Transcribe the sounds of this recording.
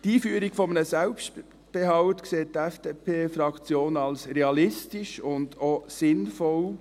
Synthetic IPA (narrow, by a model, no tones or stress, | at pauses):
d̥iːfyːəɾiɡ̥fɔmnəsɛlpʃt | b̥eɦɑʊtkseːt̚ːɛfd̥eːpʰeːfɾɑkt͡sjoːnɑlsɾeɑlɪstɪʃʊndosɪnfɔl